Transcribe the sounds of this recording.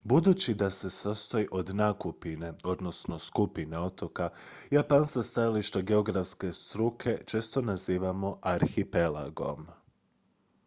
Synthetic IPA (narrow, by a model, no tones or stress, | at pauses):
bud̪uːt͡ɕid̪ase̞sast̪oiʔo̞d̪nakupine̞o̞d̪no̞sno̞skupine̞o̞t̪o̞kajapansast̪ajaliʃt̪aɡe̞o̞ɡɾafske̞st̪ɾukʰe̞t͡ʃe̞ːst̪o̞naziːʋamo̞ʔaɾxipe̞la̰ɡo̞̰m